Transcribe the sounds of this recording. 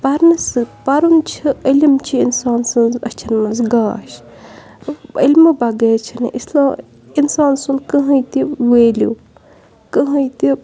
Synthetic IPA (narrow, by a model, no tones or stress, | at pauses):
pɐɾnɨsɨpɐɾunt͡ʃʰiilimt͡ʃʰiinsaːnsɨnzɐ̰t͡ʃʰɐnmɐnzɡaːʃ | ilʲmɨbɐɡeːt͡ʃʰinɨ̰ʔislaː | insaːnsɨnkəɦɐjt̪iweːlṵ | kɨɦɐjt̪i